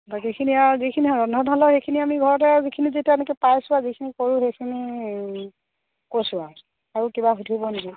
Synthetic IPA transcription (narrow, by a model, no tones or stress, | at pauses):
bakikʰiniazikʰiniɔɹɔnʱɔnʱɔlɔxejkʰiniamiɡʱɔɹɔt̬ɛzikʰinizitɛnɛkɛpajsʊazikʰinikoɹũxejkʰini | kosʊa | aɹukibaɦutʰibɔniɡi